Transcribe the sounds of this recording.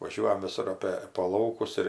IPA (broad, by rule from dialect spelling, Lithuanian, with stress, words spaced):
ʋɐˈʒʲuɔjɛm ʋʲɪˈsʊr ˈɑːpʲeː poː ˈlˠɐʊkʊs ɪr